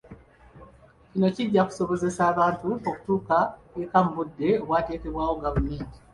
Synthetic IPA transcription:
cino̞ciɟːaku̥so̞βo̞ze̞saːβaːntuoku̥tuːkaekam̩budːe̞o̞βwaːte̞ːke̞βwaːwo̞ɡaβumiːɲɟi

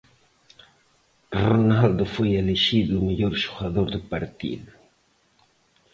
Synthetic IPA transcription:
ronald̪ofojeleʃiðmaʎoɾʃoɣaðoɾd̪əpaɾt̪ḭðu

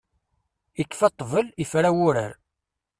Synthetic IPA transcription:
ikːfɑt̪ˤːvəlifɾæwʊɾə̰ɾ

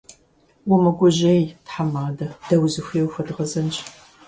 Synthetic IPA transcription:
wɔmɐɡʷʊʑejtħamaːdɐd̥ɐwzɨxʷeːwxʷɐdʁɐzɐnt͡ʃʼ

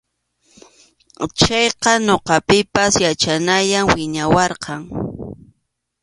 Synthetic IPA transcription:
t͡ʃɑjqɑnoqɑpɪpasjat͡ʃanajaŋwɪɲawɑɾqɑŋ

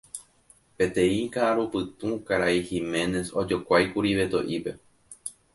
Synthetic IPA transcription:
pe̞t̪ẽ̞ĩkaʔaɾupɨt̪ũkaɾaihimẽ̞ne̞so̞d͡ʒo̞kʷajkuɾiʋe̞t̪o̰ʔipe̞

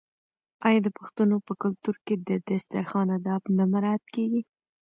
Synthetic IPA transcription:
ɑjɑd̪əpʊxt̪anopəkʊlt̪uɾked̪əd̪ast̪aɾxɑnad̪ɑbnamaɾɑat̪keɡi

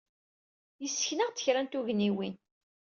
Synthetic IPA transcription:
jəsːə̥çnəʁt͡s̪ːə̥çɾænt̪uʝniwin

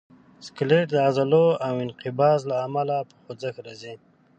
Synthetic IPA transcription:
skleʈd̪əazaloawɪnqɪbɑːzlaːmalapə̥xod͡zakɾazi

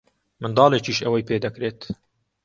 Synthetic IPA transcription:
mɨnd̪ɑːleːt͡ʃiːʃɛwɐjpeːd̪ɛkɾeːt̪

